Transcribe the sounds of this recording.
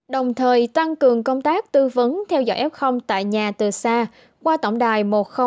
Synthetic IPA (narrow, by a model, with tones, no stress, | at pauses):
ɗə˨˩wŋ͡mt̪ʰəː˨˩jt̪a˧ŋkɨ˨˩əŋkə˧wŋ͡mt̪aː˦˥k̚t̪ɨ˧və˨˦nt̪ʰɛ˧wzɔ̰˧jʔɛ˦˥p̚xə˧wŋ͡mt̪a̰ː˧˨jɲaː˨˩t̪ɨ˨˩saː˧ | kwaː˧t̪ə̰˧˩wŋ͡mɗaː˨˩jmo˨˩t̚xə˧